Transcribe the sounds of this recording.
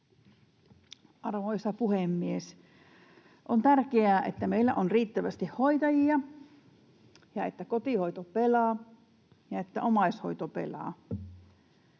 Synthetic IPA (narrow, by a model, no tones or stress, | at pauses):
ʔɑrʋoisɑpuhemːies | ʔont̪ærkeæːʔḛt̪ːæmeilːæ̰ʔonriːt̪ːæʋæst̪ihhoit̪ɑjiɑ | jɑet̪ːækot̪ihoit̪opelɑː | jɑet̪ːæʔomɑisho̞̰it̪opḛlɑ̰ː